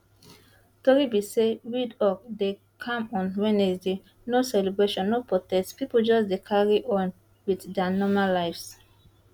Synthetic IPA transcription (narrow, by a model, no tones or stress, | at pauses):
tɔɹibisewidɔk̚de | kʰãmɔ̃nwɛ̃nezde | nosɛlɛbɹeʃɔ̃nːopɹotɛstpipold͡ʒɔs̬dekʰaɹiʔɔ̃n | widdɛanɔmalaɪfs